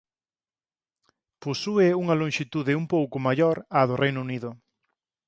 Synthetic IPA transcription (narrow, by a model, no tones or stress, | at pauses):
posuɪuŋɐloŋʃit̪uðɪumpowkʊmaʎoɾaðʊrʔejnʊuniðʊ